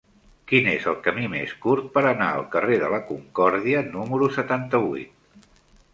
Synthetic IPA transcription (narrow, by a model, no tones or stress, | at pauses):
kinezəlˠkəmimeskuɾt̪̚pəɾəna̰ə̰lˠkəreðələkuŋkɔɾðiənuməɾusət̪ant̪əβuit̪̚